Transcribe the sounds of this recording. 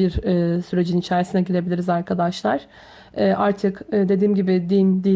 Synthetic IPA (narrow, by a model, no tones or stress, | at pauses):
iɾɛːsyɾe̞d͡ʒinit͡ʃʰaːɾisinɛɟilʲe̞bilʲiɾizaɾkʰad̪aʃlˠaɾ̥ | ɛːʔaɾt̪ʰɯkːd̪e̞d̪iːmɟibɪd̪ind̪i